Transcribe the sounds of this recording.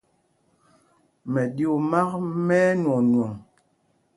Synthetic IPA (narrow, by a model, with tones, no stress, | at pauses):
mɛ˨ɗi˦o˨ma˦k̚mɛː˦nwɔ˨nwɔ˨ŋ